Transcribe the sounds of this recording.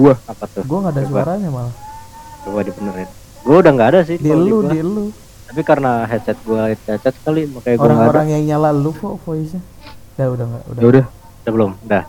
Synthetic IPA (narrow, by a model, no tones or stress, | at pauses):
ɡuahapat̪ʊɡuaŋɡaːdasuwaɾaɲamala | padibənəɾɪn | ɡuaudaŋɡaːdas̬ɪdiəludilu | t̪ap̬ikaɾənaɦɛt̪sɛt̪̚ɡuat̪̚ɛt͡ʃɛt̪̚sə̥kalimakajɡouaɾaŋɡaoɾaŋjaŋɲalalupɔʔpois̬a | daudaŋɡaʔṵdaaudah | sabəlʊmdah